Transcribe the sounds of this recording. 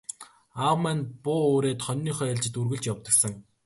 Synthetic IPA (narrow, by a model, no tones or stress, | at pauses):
awmænpʊːoːɾeːt̪χɔnʲːiːχœːeɮt͡ɕɪ̆t̪urɣɘ̆ɮt͡ɕjawt̪ə̆ksə̆ŋ